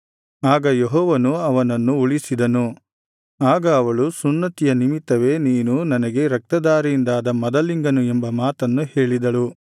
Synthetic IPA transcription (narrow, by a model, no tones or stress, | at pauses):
aːɡɐjeɦɔːʋɐnuɐʋɐnɐnːuuɭisid̪ɐnu | aːɡɐːʋɐɭusunːɐt̪ijɐnimit̪ːɐʋe̞niːnunɐnɐɡe̞ɾɐk̚t̪ɐd̪aːɾijind̪aːd̪ɐmɐd̪ɐliŋɡɐnuembɐmaːt̪ɐnːuhe̞ːɭid̪ɐɭu